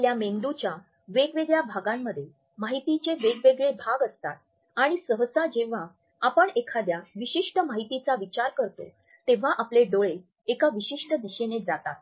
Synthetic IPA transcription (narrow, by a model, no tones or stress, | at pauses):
ljamend̪ut͡ɕja | ʋeɡʋeɡɭjabʱaɡamːəd̪ʱje | maɦit̪it͡ɕeʋeɡʋeɡɭebʱaɡəst̪at̪̚ | aɽ̃isəɦəsad͡ʑeʋ̤a | apəɳekʰad̪jaʋiɕiʂʈəmaɦit̪it͡saʋit͡ɕaɾkəɾt̪o̰ | t̪eʋ̤aʔapleɖoɭe | ekaʋiɕiʂʈəd̪iɕenet̪̚d͡zat̪at̪